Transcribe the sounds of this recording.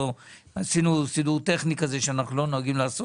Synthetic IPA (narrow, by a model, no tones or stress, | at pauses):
o | asinusiduʁt̪e̞χnikazeʃeanaχnulo̞no̞aɡimlaːso